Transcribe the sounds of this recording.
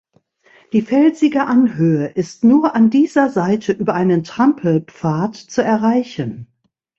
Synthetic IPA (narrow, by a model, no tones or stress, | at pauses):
d̥iːfɛlzɪɡəʔanhøːəʔɪstnuːɐʔandiːzɐzaɪtʰəʔyːbɐʔaɪnəntʁ̥ampʰl̩pp͡faːɐtt͡suɛɐʁaɪçən